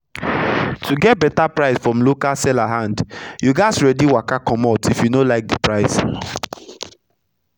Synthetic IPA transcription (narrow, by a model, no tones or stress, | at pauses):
tʰuɡɛt̚bɛtapɹaɪsfɹɔ̃mlokalsɛlaɦãndjuɡaɪsɹɛdiwakakɔ̃matifjunolaɪk̚dipɹaɪs